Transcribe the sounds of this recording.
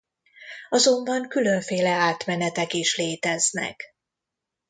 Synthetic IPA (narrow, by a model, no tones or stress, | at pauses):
ɒzo̞mbɒŋkylø̞ɱfeːlɛaːt̪mɛnɛt̪ɛkiʃleːt̪ɛznɛ̰k